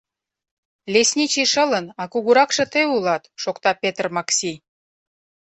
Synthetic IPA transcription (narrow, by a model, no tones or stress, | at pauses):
lʲesʲnʲit͡ɕiʃə̆lə̆nɑkuɣuɾɑkʃə̆t̪eulɑt̪ʃokt̪ɑpʲet̪rmɑksʲij